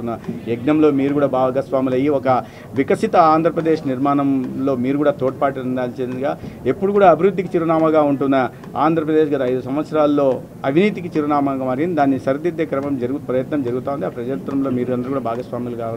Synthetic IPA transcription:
unːɐeɡnɐmlo̞ːmiːɾukuːɽaːbaːɡɐsʋaːmilɐjiɔkɐ | ʋikɐsit̪ɐaːnd̪ʱɾɐpɾɐd̪e̞ːʂniɾmaːnɐmlo̞ːmiːɾuɡuːɽaːt̪oːʈ̚paːʈiɾiɳɖaːlit͡ʃeːd̪ind̪ɡaːe̞pːuɽukuːɽaːɐbʱiɾud̪ʱːikit͡ʃiɾɐnaːmɐɡaːuɳʈunːɐ | a̰ːnd̪ʱɾɐpɾɐd̪e̞ːʃɡɐd̪ɐjd̪usɐmʋɐt̪sɐɾaːlːo̞ː | ɐʋʱiniːt̪̬ik̬it͡ʃiɾɐɳaːmɐɡaːmaːɾɡind̪id̪aːnːisɐɾɐd̪id̪eːkɾɐmɐmd͡ʒɐɾuɡupɾɐjɐt̪nɐmd͡ʒɐɾuɡut̪aːund̪iaːpɾɐd͡ʒɐɾt̪ːɾɐmlo̞ːmiːɾuɐnd̪ɾkuɽaːbʱaːɡɐsʋaːmilɐkaːʋɐ

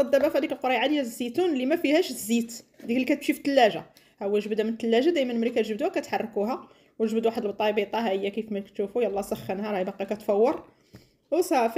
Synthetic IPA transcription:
ɑd̪ːæbæfæd̪ikəlqoɾɑjʕad̪əjːæzːit̪unlimæfihæʃzːit̪d̪iklːikæt̪ʃift̪ːəlːæʒa | hæwːæʒəbd̪æmənt̪ːəlːæʒad̪æjmənmælikæt̪ʒəbd̪uhækæt̪ħɑrˤːkuɦæ | wəʒbd̪uwaħəd̪əlbt̪ˤːɑbit̪ˤɑɦæʔəjːækifmækt̪ʃufujælˤːɑsˤɑxːənɦæɾˤɑjbɑqɑkæt̪fɑwːɑɾˤ | sæf

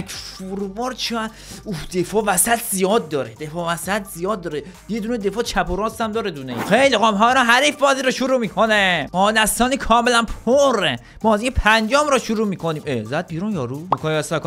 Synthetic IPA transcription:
kfuɾbɒɾt͡ʃʰiæ | uhd̪̥efɒːvæsæt̪ʰzijɒːd̪̚ːɒːɾed̪efɒːvæsæt̪ʰzijɒːd̪ːɒːɾe | jed̪uned̪efɒːt͡ʃʰæpʰoɾɒːst̪æmd̪ɒːɾed̪uneixejliɣɒːmɦɒːɾɔɦæɾifbɒːziɾoʃuɾuːmiːkʰonemɒːd̪æst̪ɒːniːkʰɒːmelænpʰoɾe | mɒːziipʰænd͡ʒɒːmɾɔʃuɾuːmiːkʰoniːmezæd̪̚biːɾunjɒːɾuikʰonæst̪ækː

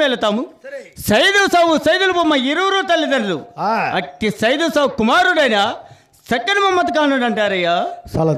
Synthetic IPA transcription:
ɛːlɐt̪aːmusɐjd̪osaːʋusɐjd̪ulupomːɐiɾuːɾoːt̪ɐlːid̪ɐnɐlṵɐʈːisɐjd̪oːsaːwukumaːɾuɽɐjna | sɐkːɐnmɐmːɐt̪ɐkaːnuɽɐɳʈaːɾɐjaːsɐ

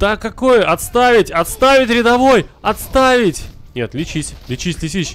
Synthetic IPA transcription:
t̪akːɐkojəʔɐt̪st̪avʲɪtʲɐt̪st̪avʲɪtʲɾʲɪd̪ɐvo̞jɐt̪st̪avʲɪtʲnʲet̪lʲɪt͡ɕisʲlʲɪt͡ɕisʲlʲɪs̬ʲis

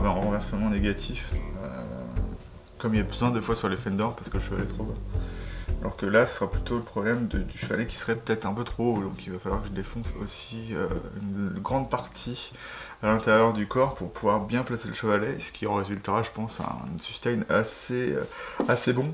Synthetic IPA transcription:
bɛ̃ɛ̃ʁɑ̃vɛʁsəmɑ̃neɡʲat̪ʰifø̰ | kɔmilabəzwɛ̃d̪efwasyʁlefɛnd̪ɔʁpaʁsə̥kələʃəvalɛt̪χobã | alʔɔ̰ʁkəlasə̥səʁaplyt̪oləpχɔblɛmd̪əd̪yʃəva̰lɛkʲi̥sə̥ʁɛpø̥t̪ɛt̪χɛ̃pøt̪χod̪ɔ̃kilvafalwaʁkəʒəd̪efɔ̃sosiø̰ynɡʁɑ̃d̪̚paʁt̪ʰi | alɛ̃t̪eʁjœʁd̪ykɔʁpuʁpʰuvwaʁbjɛ̃plaseləʃəvalɛsə̥kʲʰiɑ̃ʁezylt̪əʁaʒəpɑ̃sã̰ɛ̰̃syst̪ɛjnaseø̰asebɔ̃

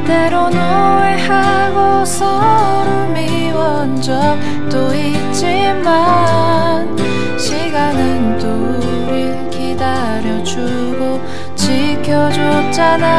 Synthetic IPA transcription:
t̪eɾonoeha | ɡo | sʰʌ | ɾɯmi | wʌnd͡ʑʌk̚ | t͈o | i | t͡ɕ͈i | ma | n | ɕʰiɡanɯnto | ɾi | kida | ɾjʌd͡ʑu | ɡo | t͡ɕikʰjʌd͡ʑot͡ɕana

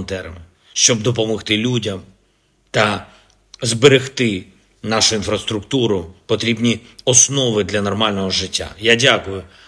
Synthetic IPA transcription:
t̪ɛrmɪ | ʃt͡ʃɔbd̪ɔp̬ɔmɔxt̪ɪlʲudʲɐm | t̪ɐ | zbeɾɪxt̪ɪ | nɑʃʊinfɾɐst̪ɾʊkt̪uɾʊpɔt̪ɾʲibnʲiɔsnɔʋɪd̪lʲɐnɔrmɑlʲnɔɦɔʒɪtʲːa̰jadʲakʊjʊ

